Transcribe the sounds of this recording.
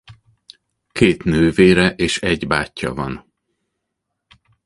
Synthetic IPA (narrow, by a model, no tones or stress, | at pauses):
keːt̪nøːveːɾɛʔeːʃɛɟbaːcːɒ̰vɒn